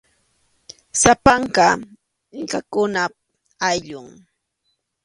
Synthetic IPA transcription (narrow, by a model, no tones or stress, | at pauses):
sapaɴɢɑ | ɪkakʊna | ajʎʊŋ